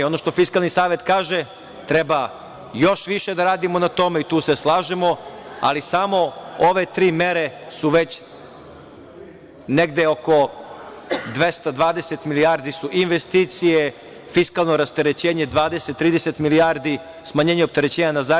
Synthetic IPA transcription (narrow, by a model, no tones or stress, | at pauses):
o̞noʃt̪o̞fiskalˠnisaːʋe̞t̪kaːʒe | t̪ɾeba | jo̞ʃʋiʃed̪aɾaːd̪imo̞nat̪o̞meit̪uːseslˠaːʒemo̞a̰lisamo̞oʋe̞t̪ɾiːmeɾe̞suʋet͡ɕ | neɡd̪eoko̞ | d̪ʋest̪ad̪ʋaːd̪eset̪miliaːɾd̪isuʔinʋest̪iːt̪sije | fiskalˠnoɾast̪eɾet͡ɕeːɲed̪ʋaːd̪eset̪ːɾiːd̪eset̪miliaːɾd̪i | smaɲeːɲeop̚t̪eɾet͡ɕeːɲanaza